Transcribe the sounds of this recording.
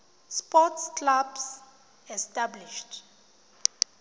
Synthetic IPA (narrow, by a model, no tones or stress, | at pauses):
spɔtskʰlabs | ɛstʼabliʃtʰ